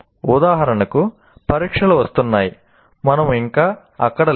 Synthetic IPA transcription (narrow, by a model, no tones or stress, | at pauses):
ud̪aːɦɐɾɐɳɐku | pɐɾiːkʂɐluʋɐst̪unːaːji | mɐnɐmiŋkaː | ɐkːɐɽɐ